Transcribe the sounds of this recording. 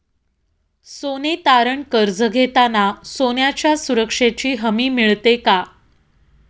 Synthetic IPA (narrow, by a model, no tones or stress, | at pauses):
sonet̪aɾəɳkəɾd͡zəɡʱet̪anasonjat͡ɕjasuɾəkʂet͡ɕiːɦəmiːmiɭt̪eka